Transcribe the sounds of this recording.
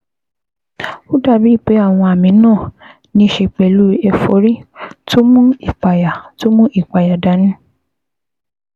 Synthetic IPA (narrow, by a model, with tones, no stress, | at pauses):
o˦da˦˨bi˨˦˨k͡pe˨˦a˦˨w̃ɔ̃˧a˨mĩ˧˦nãː˦˨ | nĩ˧˦ʃe˧k͡pɛ˨lu˦ɛ˧fo˨˦ɾi˦to˦mũ˦i˨k͡pa˨ja˨to˦mũ˦ʔi˦˨k͡pa˨ja˨da˨˦nĩ˦